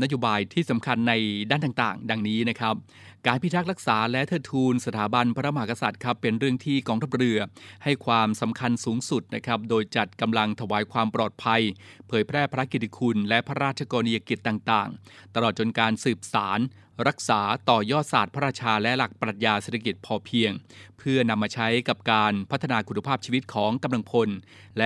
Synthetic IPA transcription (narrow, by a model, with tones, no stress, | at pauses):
na˦˥joː˧baː˧jt̪ʰiː˥˩sa˩˦mkʰa˧nːa˧jdaː˥˩naː˨˩ŋt̪a̰ː˨˩ŋda˧ŋniː˦˥na˦˥kʰɾa˦˥p̚ | kaː˧npʰi˦˥t̪ʰːa˦˥k̚ɾa˦˥k̚saː˩˦lɛ˦˥t̪ʰɤː˧˩t̪ʰuː˧nsa˧t̪ʰaː˩˦ba˧npʰa˦ɾa˦˥ma˧ɦa˧˩ka˧sa˨˩t̪̚kʰɾa˦˥pːe˧nɾɯ˥˩əŋt̪ʰiː˥˩kɔː˧ŋt̪ʰa˦˥p̚ɾɯ˧ɐha˥˩jkʰwaː˧msa˩˦mkʰa˧nsuː˩˦ŋsu˨˩t̪̚na˦˥kʰa˦˥p̚doː˧jt͡ɕa˨˩t̪̚ka˧mla˧ŋt̪ʰa˧waː˩˦jkʰwaː˧mpɾɔː˨˩t̪̚pʰa˧j | pʰɤː˩˦jpʰɾɛː˥˩pʰɾa˦˥ki˨˩t̪ʰːi˦˧kʰu˧nlɛ˦˥ʔpʰa˦˥ɾaː˥˩t̪̚t͡ɕʰa˧kɔː˧ni˧ja˧ki˨˩t̪ːaː˨˩ŋt̪a̰ː˨˩ŋ | t̪a˧lɔː˨˩t̪̚t͡ɕo˧nkaː˧nsɯː˨˩p̚sa̰ː˩˦n | ɾa˦˥k̚saː˩˦t̪ɔː˨˩jɔː˥˩saː˨˩t̪̚pʰa˦˥ɾaː˥˩t͡ɕʰaː˧lɛ˦˥ʔla˨˩k̚pɾa˨˩t̪̚jaː˧seː˨˩t̪ʰa˧ki˨˩t̪̚pʰɔː˧pʰi˧əŋpʰɯ˥˩ɐna˧mːaː˧t͡ɕʰa˦˥jka˨˩p̚kaː˧npʰa˦˥t̪ʰːa˧naː˧kʰu˨˩na˧pʰaː˥˩p̚t͡ɕʰiː˧wi˦˥t̪̚kʰɔː˩˦ŋka˧mla˧ŋpʰo˧n | lɛ˦˥